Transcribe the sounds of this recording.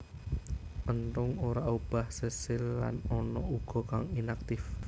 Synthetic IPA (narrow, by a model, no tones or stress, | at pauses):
ʔənt̪ʊŋoɾaub̥a̤hsəsɪlːa̰nɔnɔʔuɡ̥ɔ̤kaŋinak̚t̪ɪf